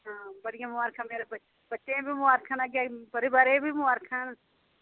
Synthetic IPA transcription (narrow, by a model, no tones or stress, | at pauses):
ɦãːbɐɽɪjãmʊaːɾkʰameːɾeb | bɐtːʃẽbʱimʊaːɾkʰanaɡapəɾibaːɾẽbʱimʊaːɾkʰan